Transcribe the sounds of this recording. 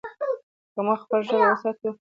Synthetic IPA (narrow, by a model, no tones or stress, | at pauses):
kəmaxpəlʒəɾwəsɑt̪u